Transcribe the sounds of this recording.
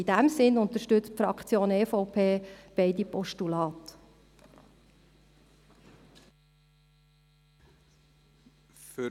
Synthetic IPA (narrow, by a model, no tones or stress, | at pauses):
idæmsɪnʊnt̪əʃtʏt͡stpfɾɑkʰt͡sjoːneːfɔʊpʰeːb̥ɛɪdipɔʃtulɑːt̪ | fy